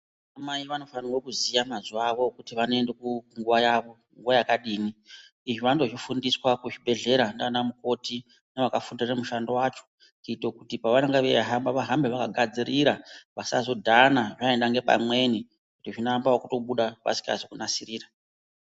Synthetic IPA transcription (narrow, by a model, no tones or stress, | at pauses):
amaiʋano̞faniro̞kuzijamazuaʋokutiʋanoendekuŋɡuʋajaʋo̞ | ŋɡuʋajakaɗiːni | iʐiʋando̞ʐifundiswakuʐibʱe̞ɮe̞ɾandanamuko̞ti | neʋakafundiremuʃando̞waːt͡ʃo̥ | kiitokutipaʋanaŋɡaʋeaɦambaʋaɦambeʋakaɡʱad͡zirʔiɾaʋasazo̞dʱanaʐaendaŋɡe̞pa̰mwe̞ni | kutiʐinambawakuto̞ɓuɗapa̰si̥ka̰zokunasiriːra